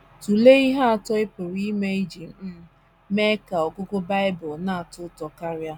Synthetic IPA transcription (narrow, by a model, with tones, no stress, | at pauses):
tu˨le˦i˦ɦa˦a˨tɔ˦ɪ˦pʊ˨ɾi˦i˦me˦i˦d͡ʒi˨˦ | me˦ka˨ɔ˨kʊ˦kʊ˦ba˦ɪ˦bʊ˨lna˦a˨tʊ˦tɔ˨ka˦ɾja˦